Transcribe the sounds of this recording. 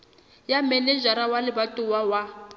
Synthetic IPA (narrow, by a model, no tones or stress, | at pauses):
jamɛnɛd͡ʒaɾawalɪbatʼuwawa